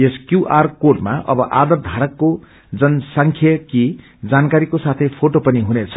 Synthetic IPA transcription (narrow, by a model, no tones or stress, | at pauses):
eskjuʔarkoɖmaʔʌbʌʔad̪ʌrd̪ʱaɾʌkːo | d͡zʌnsaŋkʰjʌki | d͡zankaɾikosat̪ʰʌjpʰoʈopʌniɦunet͡sʰʌ